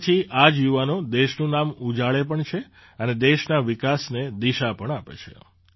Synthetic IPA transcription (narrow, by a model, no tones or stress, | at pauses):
t͡ʃʰiʔad͡ʒjuʋanõd̪eʃnũnamud͡ʒaɭepəɳt͡ʃʰe | əned̪eʃnaʋɪkasned̪iʃapəɳapḛt͡ʃʰḛ